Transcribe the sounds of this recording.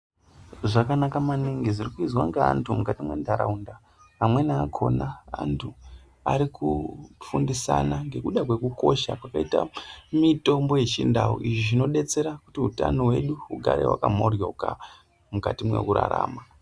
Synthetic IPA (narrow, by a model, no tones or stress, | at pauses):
ʐakanakamaniŋɡizirikuizwaŋɡaa̰ntʰumukatimwḛndʱaɾa̰unda | amwe̞naːkʰo̞̰naantʰu | aɾikufundisanaŋɡe̞kuɗakwe̞kuko̞ʃakwakaita̰mito̞mbo̞je̞t͡ʃindawo̰ʔiʐiʐino̞ɗe̞t͡se̞ɾakutiuta̰no̞ɦwe̞ɗuuɡʱaɾḛwa̰kamorjauka | mukatimwe̞̰kuɾa̰ɾa̰ːma